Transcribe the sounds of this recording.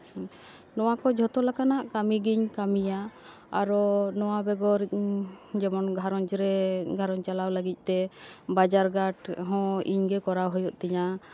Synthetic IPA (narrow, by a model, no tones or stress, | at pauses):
nɔwakɔd͡ʒʱɔt̪ɔlakanaʔkamiɡiɲkamijaː | ɾɔnɔwabɛɡɔɾ | d͡ʒɛmɔnɡʱaɾɔɲd͡ʒɾɛɡʱaɾɔɲt͡ʃalawləɡic̪̚ˀt̪ɛbad͡ʒaɾɡaʈɦɔ̃ḭɲɡɛkɔɾawɦɔjɔʔt̪ɛɲa